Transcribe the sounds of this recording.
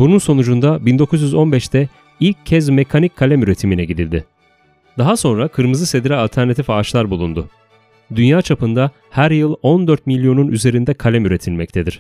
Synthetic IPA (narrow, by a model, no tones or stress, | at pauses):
bununso̞nud͡ʒund̪abind̪o̞kʰuzjyzo̞nbɛʃt̪ʰɛ | ilʲcʰːɛzme̞kʰanickʰːalʲɛmyɾe̞t̪ʰiminɛɟid̪ḭlʲd̪ɪ | d̪aɦaso̞nɾakʰɯɾmɯzɯse̞d̪iɾɛalʲt̪ʰæɾnat̪ʰifaːt͡ʃlˠaɾbulˠund̪ʊ | d̪ynjaːt͡ʃʰapɯnd̪a | hæɾjɯlˠo̞nd̪øɾt̪̚milʲjo̞nunʔyze̞ɾind̪ɛkʰalʲɛmyɾe̞t̪ʰilʲmɛc̚t̪ʰe̞d̪iɾ̝̥